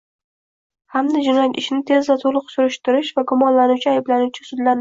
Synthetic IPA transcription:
hamd̪ɪd͡ʒɪnɒjat̪ɪʃnɪt̪ʰe̞zvat̪ʰolˠʊqsʊɾʊʃt̪ɪɾɪʃvaɡʊmɒnlanʊwt͡ʃʰɪajblanʊwt͡ʃʰɪ̥sʊd̪laɾ

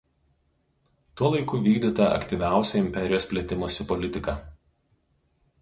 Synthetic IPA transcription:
t̪uɔlˠɐɪkʊʋʲiːɡd̪ʲɪt̪ɐɐ̰kt̪ʲiʋʲæˑʊsʲɛɪmʲpʲɛɾʲɪjoːspʲlʲɛːt̪ʲɪmoːsʲɪpɔlʲɪt̪ʲɪkɑː

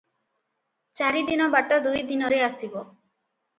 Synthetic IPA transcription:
t͡ʃaɾid̪inɔbaʈɔd̪ujd̪inɔɾeast̪ʰibɔ

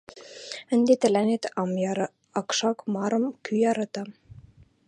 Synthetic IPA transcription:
ə̆nd̪et̪ɘ̆lænet̪ɑmjɑɾɤ̆ | ɑkʃɑkmɑɾɤ̆mkyjɑɾɑt̪ɑ

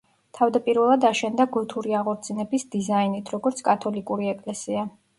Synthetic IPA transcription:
t̪ʰavd̪apʼiɾvɛlˠad̪aʃɛnd̪aɡut̪ʰuɾiaʁɔɾt̪sʰinɛbisd̪izainit̪ʰɾɔɡɔɾt̪sʰkʼat̪ʰɔlikʼuɾiɛkʼlɛsia

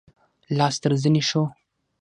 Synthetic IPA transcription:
lɑːst̪əɾzəneʃo

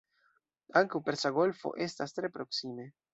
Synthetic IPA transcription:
aŋkewpeɾsaɣolfo̰ʔest̪ast̪ɾepɾoksime

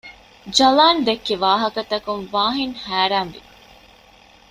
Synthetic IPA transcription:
d͡ʒɐlaːnd̪ekːeʋaːɦɐkɐt̪ɐkunʋaːɦiŋhæːɾaːnʋḭ

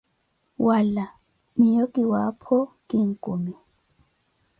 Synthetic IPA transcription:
wʔala | mijokʼiwapʰɔkʼiŋ̩kʼumi

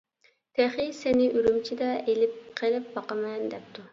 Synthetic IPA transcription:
t̪ʰeχisenɪʔyɾymt͡ʃʰid̪ɛʔelɪp̚qʰelˠɪp̚bɑqəmɛnd̪ɛp̚t̪ʰu

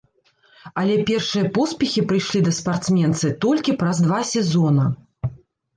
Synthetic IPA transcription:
ɐlʲɛpʲɛrʂɨjɐpɔspʲixʲipɾɨjʂlʲid̪ɐspart̪smʲɛnt̪sɨt̪ɔlʲkʲipɾɐzd̪vasʲɛzɔnɐ

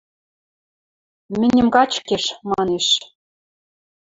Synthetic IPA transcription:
mɘ̆nʲɘ̆mkɑt͡ɕkeʃmɑneʃ

